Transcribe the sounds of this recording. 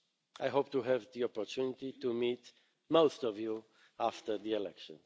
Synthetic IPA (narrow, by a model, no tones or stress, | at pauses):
ajɦoʊp̚t̪uɦɛvðiopoɾt̪ʰunit̪it̪umit̪ | mowst̪ɔvju | aft̪ə˞ðielɛkʃõ̰n